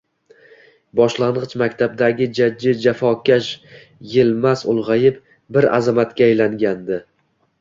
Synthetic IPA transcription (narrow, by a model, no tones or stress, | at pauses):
bɒʃlˠanʁɨt͡ʃmakʲt̪ʰab̚d̪aɡʲɪd͡ʒad͡ʒːɪd͡ʒafɒkʲaʃ | jɪlˠmasʊlˠʁɑjɪp̚ | bɪɾa̰zamat̪kʲaːjlaŋɡʲand̪ɪ